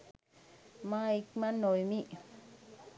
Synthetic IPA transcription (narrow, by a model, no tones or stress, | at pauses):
mãikmãnojmĩʔ